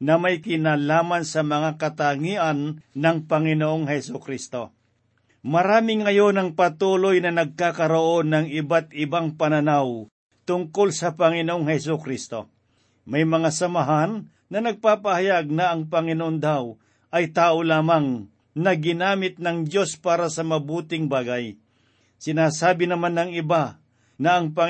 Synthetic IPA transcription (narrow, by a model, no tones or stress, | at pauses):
nɐmɐjkɪnaːlaːmansɐmɐŋakɐt̪aŋiːʔɐnːɐŋpɐŋɪnoʔoŋhɛsʊkɾist̪o̞ | mɐɾaːmɪŋːɐjo̞nɐŋpɐt̪uːlojnɐnɐɡ̚kaːkɐɾoʔo̞nːɐŋɪbat̪̚ɪbaŋpɐnɐnaw | t̪ʊŋko̞lsɐpɐŋɪnoʔoŋhɛs̬ukɾist̪o̞̰ | mɐjmɐŋasɐmɐɦanː | ɐnɐɡ̚paːpɐhɐjaɡ̚nɐʔɐŋpɐŋɪnoʔond̪aw | ʔɐjt̪aːʔolaːmaŋ | nɐɡɪnaːmɪt̪̚nɐŋd͡ʒjo̞spaːɾɐsɐmɐbuːt̪ɪŋbaːɡaj | sɪnaːsaːbɪnɐmanːɐŋɪba | nɐɐŋpɐ